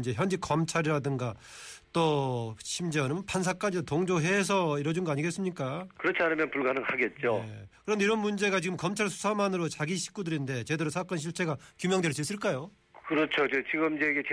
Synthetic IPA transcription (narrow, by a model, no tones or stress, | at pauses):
d͡ʑe̞çjʌnd͡ʑikʌmt͡ɕʰaɾiɾadɯŋɡa | t͈ʌɕʰimd͡ʑʌnɯmpʰans̬ʰak͈ad͡ʑidotoŋd͡ʑoɦe̞sʰʌiɾʌd͡ʑunɡʌaɲiɡe̞s͈ɯmɲik͈akɯɾʌt͡ɕʰianɯmjʌnpuɭɡanɯŋaɡe̞t̚t͡ɕ͈oekɯɾʌmndeiɾʌnmund͡ʑe̞ɡat͡ɕiɡɯmkʌmt͡ɕʰaɭsʰu̥sʰamanɯɾot͡ɕaɡiɕʰi̥k͈udɯɾinde̞t͡ɕe̞deɾosʰak͈ʌnɕʰiɭt͡ɕ͈ʰe̞ɡakjumjʌŋdwe̞ɭs͈uis͈ɯɭk͈ajo | kɯɾʌt͡ɕʰod͡ʑet͡ɕiɡɯmid͡ʑeɡet͡ɕ